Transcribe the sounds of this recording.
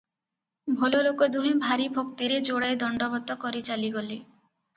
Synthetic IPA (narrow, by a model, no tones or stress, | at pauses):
bʱɔlolokɔd̪uɦẽbʱaɾibʱokt̪iɾed͡ʒoɽajd̪ɔɳɖɔbɔt̪ɔkɔɾit͡ʃaliɡɔle